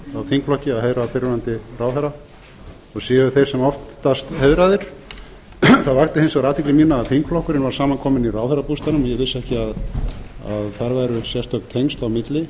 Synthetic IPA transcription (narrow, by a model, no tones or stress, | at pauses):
awθiŋkflɔhcɪaðheðɾapɪɾʏnant̪ɪraːwθɛɾa | ɔɣsɛːɣʏɾθejɾ̥sɛmɔft̪ːast̪heɥðɾaðɪɾ̥ | θaðvaxt̪ɪhejnsɔɣɾaːt̪ʰiklɪmiːnaːðθiŋkflɔhkʏɾɪnvaɾ̥saːmankʰɔːmɪnirawθɛɾapust̪anʏmɔjɛɣvɪsːɛhcɪað | aðθaɾvajɾʏsjɛst̪œk̪t̪ʰejŋst̪awmɪt̪lɪ